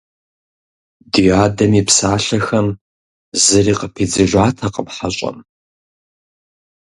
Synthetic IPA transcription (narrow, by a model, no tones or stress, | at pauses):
dijaːdɐmipsaːɬɐxɐm | zɨriːqəpʰiːd͡zɨʒʷaːtʰɐqʼəmħaɕʼɐ̰m